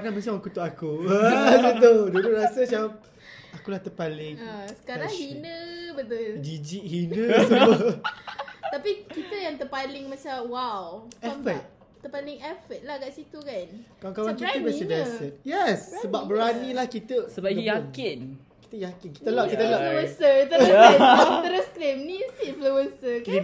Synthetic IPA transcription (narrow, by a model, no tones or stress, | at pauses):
nanbəsãwakut̪uʔakubət̪ʊlduluɾasət͡ʃawap̚ | akulaht̪əpalɪŋsə̥kaɾaŋhinə̃bət̪ʊd͡ʒid͡ʒiʔhinə̃t̪uu | t̪apikit̪əjaŋt̪əpalɪŋmat͡ʃamwawɛfət̪̚ | t̪əpalɪŋɛfət̪̚lahɡaʔsit̪ukankakawŋkit̪əbɛsədɛsət̪̚jɛsːəbap̚bəɾanilahkit̪əsəbajakɪn | ki̥t̪əjakɪnki̥t̪əlaʔkit̪əlaəwənsət̪əɾ | t̪əɾəskɾimnisimfluwənsək̪